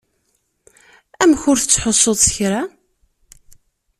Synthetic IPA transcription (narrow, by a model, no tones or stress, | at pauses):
æmçʊɾθət͡sːħosˤːoðˤsəçɾa